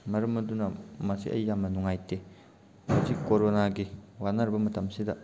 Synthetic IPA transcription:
mɐɾɐmɐdunɐmɐsḭʔɐ̰jːamɐnuŋajte | hozikoɾonaɡiwanɐɾbɐmɐtʰɐmsidɐ

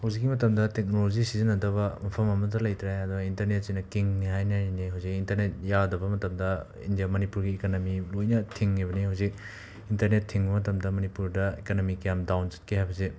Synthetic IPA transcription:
hawzikːimɐtɐmdɐtek̚nolozisizɐnɐdɐβɐmɐpʰɐmɐmɐdɐlɐjtɾajɐdɔintɐɾnet̚sinɐkiŋniɦajnianeɦawzikintɐɾnet̚jadɐbɐmɐtɐmdɐ | ḭndijamɐnipuɾɡiːkanomilojnɐtʰiŋːiβɐnehawzik̚ | intɐɾnetʰːiŋbɐmɐtɐmdɐmɐnipuɾdɐekanomikijamdawnsi̥t̚kʰeɦajbɐze

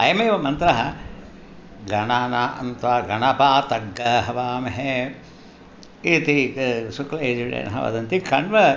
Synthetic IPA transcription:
ɐ̰jɐmeːʋɐmɐnt̪ɾɐɦɐ | ɡɐɳaːnaʔɐ̰nt̪ʋaːɡɐɳɐpaːt̪ɐɡːɐɦɐʋaːmeɦe | it̪isukleːd͡ʒuɽḛːnɐ̰ɦɐ̰ʋɐ̰d̪ɐnt̪ikɐɳʋɐ

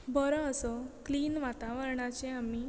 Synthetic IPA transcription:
bʱəɾɔəsɔkliːnʋat̪aʋəɾɳat͡ɕẽami

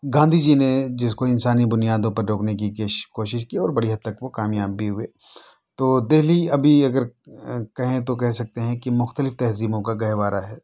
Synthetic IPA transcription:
ɡãːnd̪ʱid͡ʒined͡ʒɪskoɪnsaːnibʊnijaːd̪õpɐɾːoːknek̬ikeːʃkoːʃɪʃkiɔːɾbɐɽiɦɐd̪ːɐkʋokaːmjaːbʱiɦʊeː | t̪oːd̪eːɦliɐbʱiɐɡəɾkɐɦẽt̪̬okɛɦsɐk̚t̪eɦɛ̃kimʊxt̪əlɪft̪ɛɦziːmõkaɡɐɦʋaːɾaɦɛː

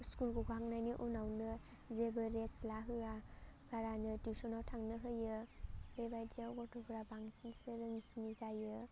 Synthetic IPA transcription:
skulɡɔɡak̚najniʔunawnɯ | zebɯɾeslaɦɯaɡ̥aɾanɯtisɔnawtʰaŋnɯɦɯjɯbebajdiawɡɔtʰobɯɾabaŋsinsɯɾɯŋsɯnizajɯ

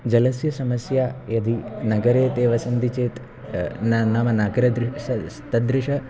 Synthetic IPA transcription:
d͡ʒɐlɐsjɐsɐmɐsjaːjɐd̪ʱinɐɡɐɾeːt̪eːʋɐsɐnd̪it͡ʃeːt̪ | nanɐmɐnaːɡɐɾɐd̪ɾɐst̪ɐd̪ɾɪʃɐ

